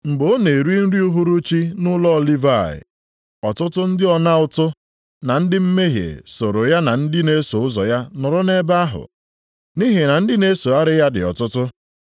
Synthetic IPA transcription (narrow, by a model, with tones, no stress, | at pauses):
ŋ͡m̩˨ɡ͡bo˨˦ne˨ɾi˦n̩˦ɾi˦u˦ɦu˦ɾu˦t͡ʃi˦nʊ˦lɔ˦˨li˦va˦˨ɪ̰˨ | ɔ˨tʊ˦tʊ˦n̩˦dɪ˦ɔ˨na˦ʊ˦tʊ˦ | na˨n̩˦dɪ˦m̩˦me˦ɦjḛ˨so˨ɾo˨ja˦na˨n̩˦dɪ˦ne˦so˨ʊ˦zɔ˨ja˦nɔ˨ɾɔ˦ne˦ba˦a˦ɦʊ̰˨ | ni˦ɦe˨na˨n̩˦dɪ˦ne˦so˨a˦ɾɪ˦ja˦dɪ̰˨ɔ̰˨tʊ˦tʊ˦